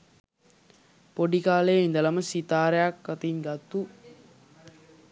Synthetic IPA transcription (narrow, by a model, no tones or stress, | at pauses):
poɖikaːlejind̪ɐlɐməsit̪aːɾejakːɐt̪inɡɐt̪ːu